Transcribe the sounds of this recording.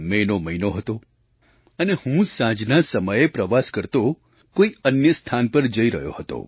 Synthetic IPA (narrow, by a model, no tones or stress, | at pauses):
menoməinoɦət̪o | ənehũsãd͡ʒnasəməjepɾəʋaskəɾt̪o | koiənjəst̪ʰanpəɾd͡ʒəiɾə̰ɦjo̰hət̪o̰